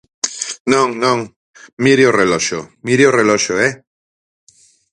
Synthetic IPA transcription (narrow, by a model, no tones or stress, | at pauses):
nõŋnõŋ | miɾjoreloʃo̰miɾjoreloʃoe